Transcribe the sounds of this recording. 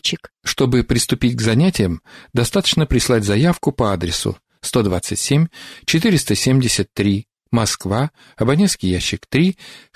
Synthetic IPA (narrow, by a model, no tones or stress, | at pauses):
t͡ɕɪk | ʂt̪o̞bɨpɾʲɪst̪ʊpʲitʲɡzɐnʲætʲɪjəmd̪ɐst̪at̪ə̥t͡ɕnəpɾʲɪslˠatʲzɐjafkʊpəad̪ɾʲɪsʊ̰ | st̪o̞d̪vat̪sɨtʲsʲemʲt͡ɕɪt̪ɨɾʲɪst̪əsʲemʲdʲɪsʲət̪ːɾʲi | mɐskva | ɐbɐnʲet̪skʲɪjæɕːɪkt̪ɾʲi